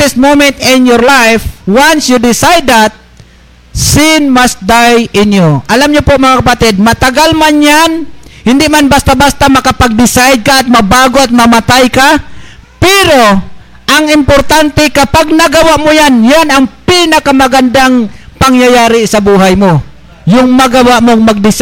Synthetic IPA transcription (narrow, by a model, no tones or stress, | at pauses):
ɪs̚mowmɛnt̪ɪnjɔɾlajfwansjud̪ɪsajd̪at̪̚ | sɪnmast̪̚d̪ajɪnjoʔɐlamɲʊpomɐŋakapat̪ɛd̪̚mɐt̪aɡalmanjanhɪnd̪ɪʔmanbast̪abast̪amɐkapaɡ̚d̪ɪsajd̪̚kaʔːt̪̚mɐbaːɡoat̪̚mɐmat̪ajka | pɛɾo | ʔaŋɪmpoɾt̪ant̪ɛkɐpaɡ̚nɐɡawaʔmʊjanjanaŋpinɐkamɐɡand̪aŋpaŋjajaːɾɪsɐbuːɦajmo | jʊŋmɐɡawaʔmoŋmɐɡ̚d̪ɪs